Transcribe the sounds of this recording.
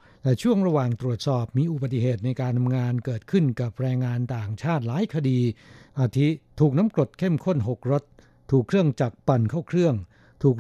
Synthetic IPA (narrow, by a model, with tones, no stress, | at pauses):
lɛː˦˧˥t͡ɕʰu˥˩əŋɾa˧waː˨˩ŋt̪ɾu˨˩ət̪̚sɔː˨˩p̚miː˧ʔu˨ba˨˩t̪ːi˨ɦeː˨˩t̪̚na˧jkaː˧nt̪ʰa˧mŋaː˧nkɤː˨˩t̪̚kʰɯ˥˩nka˨˩p̚ɾɛː˧ŋːaː˧nt̪aː˨˩ŋt͡ɕʰaː˥˩t̪̚laː˨˦jkʰa˧diː˧ʔaː˧t̪ʰi˦˥t̪ʰuː˨˩k̚na˦˥mkɾo˨˩t̪̚kʰe˥˩mkʰo˥˩nɦo˨˩k̚ɾo˦˥t̪̚ʰː | uː˨˩kʰːɾɯ˥˩əŋt͡ɕaː˨˩k̚pa˧˩nkʰa˥˩wkʰɾɯ˥˩əŋ | t̪ʰuː˨˩k̚